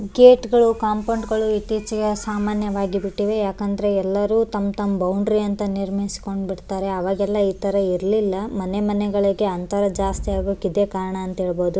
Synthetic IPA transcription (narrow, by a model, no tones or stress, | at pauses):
ɡeːʈɡɐɭukaːmkɐɳɖɡɐɭuit̪ːiːt͡ʃiɡesaːmaːnjɐʋaːɡibiʈːiʋe̞jaːkɐnd̪ɐɾe̞ɛlːɐɾuːt̪ɐmt̪ɐmːbɐwɳɖɾiɐnt̪ɐniɾmɐisi̥ko̞ɳɖbiɽt̪aːɾe̞ɐʋaːɡɛlːɐiːt̪ɐɾɐiɾlilːɐmɐnemɐnɛɡɐɭiɡe̞ɐnt̪ɐɾɐd͡ʒaːst̪ijaːɡokid̪eːkaːɾɐɳɐːnt̪ɐɦe̞ːɭboːd̪u